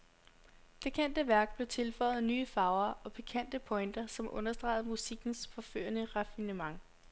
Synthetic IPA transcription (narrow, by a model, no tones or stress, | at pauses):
b̥e̝kʰen̰d̥əʋæɐɡ̥̚b̥le̝ʊt͡sʰe̝lfɒ̽ːɪð̩ˠnyːəfɑ̈ʊɐʔɒ̽pʰikʰæn̰d̥əpʰɒ̽ɪnd̥ɐsɒ̽mʔɔ̽nɐsd̥ʁɑ̰̈ɪð̩ˠmusiɡ̥n̩sfɒ̽fø̰ːɐnəʁɑfinəmɑ̈ŋ